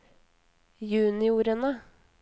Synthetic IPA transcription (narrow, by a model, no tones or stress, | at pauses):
jʉːnɪuːɾənə